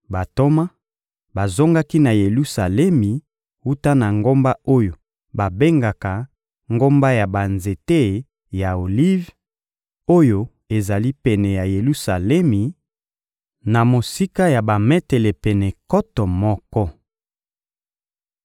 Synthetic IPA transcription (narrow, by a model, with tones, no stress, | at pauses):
ba˨to˦ma˦ | ba˨zo˦ŋɡa˦ki˦na˨je˨lu˦sa˨lɛ˦mi˨ | wu˦ta˦na˨ŋɡo˦mba˦o˦jo˨ | ba˨be˦ŋɡa˨ka˨ | ŋɡo˦mba˦ja˨ba˨nze˨te˦˨ | ja˨o˨li˦v | o˦jo˨ | e˨za˨li˦pɛ˨nɛ˨ja˨je˨lu˦sa˨lɛ˦mi˨ | na˨mo˨si˦ka˦ja˨ba˨mɛ˦tɛ˨lɛ˨pɛ˨nɛ˨kɔ˦tɔ˨mɔ˦kɔ˦